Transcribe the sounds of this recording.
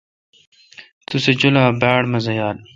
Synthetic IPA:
t̪used͡ʑulaːbaːɽmɐzɐjaːl

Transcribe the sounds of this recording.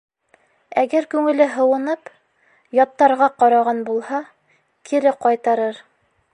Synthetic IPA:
æɡæɾkʉŋɘ̆lɘɦɤ̆wɤ̆nɤp | jɑt̪ːɑɾʁɑqɑɾɑʁɑnbulˠhɑ | kʰiɾɘqɑjt̪ɑɾɤɾ

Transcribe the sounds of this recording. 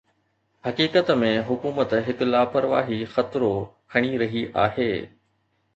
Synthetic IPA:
hɐkiːkət̪mẽɦʊkuːmət̪ɦɪklaːpəɾʋa̰ːɦixɐt̪ɾokʰɐɽ̃iɾɐɦiʔa̰ːɦeː

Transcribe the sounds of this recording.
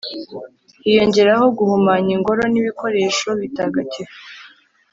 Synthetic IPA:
hijo̞ɲɟe̞ɾaho̞ɡuhumaːɲiŋɡo̞ɾo̞niβiko̞ɾe̞ːʃo̞βitaɡaci

